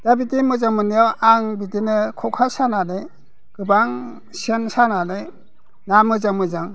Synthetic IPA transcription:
d̥abitimɯzaŋmɯnijawaŋbitinɯkʰɔkʰasanale | ɡ̥ɯbaŋ | sensanale | namɯzaŋmɯzaŋ

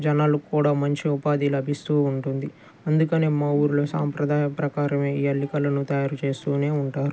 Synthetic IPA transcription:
d͡ʒɐnaːlukuːɽaːmɐɲt͡ʃiupaːd̪ilɐbʱist̪uːuɳʈund̪i | ɐnd̪ukɐne̞ːmɐwuɾuloːsa̰ːmpɾɐd̪ʱaːjɐpɾɐkaːɾɐme̞ːiːɐlːikɐlɐnut̪ɐjaːɾut͡ʃe̞ːst̪uːne̞ːuɳʈaːɾu

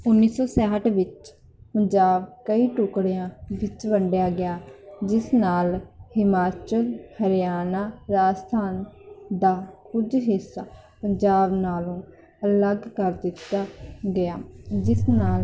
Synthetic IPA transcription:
ʊnːiːsɔːsɛːɦəʈʋɪt͡ʃ | pəɲd͡ʒaːb̚kəiːʈʊkɽɪjãːʋɪt͡ʃbəɳɖjaːɡɪjaːd͡ʒɪsnaːlhɪmaːt͡ʃəlhəɾɪjaːnaːɾaːst̪ʰaːnd̪aːkʊd͡ʒɦɪsːaː | pəɲd͡ʒaːbnaːlũː | ələɡkəɾd̪ɪt̪ːaːɡɪjaːd͡ʒɪsnaːl

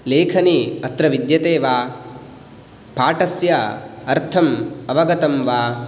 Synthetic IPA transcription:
leːkʰɐniɐt̪ɾɐʋid̪jɐt̪eːʋaː | paːʈɐsjɐɐɾt̪ʰɐmɐʋɐɡɐt̪ɐmʋaː

